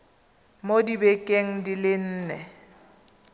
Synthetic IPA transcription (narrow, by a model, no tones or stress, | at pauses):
modibɛkʼeŋ̩dilɪn̩ːnɛ